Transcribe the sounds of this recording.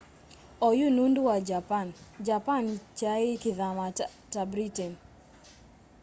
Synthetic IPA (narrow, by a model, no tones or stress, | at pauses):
ɔjunundwad͡ʒapand͡ʒapant͡ʃaɪkɪðama | tabɾitɛn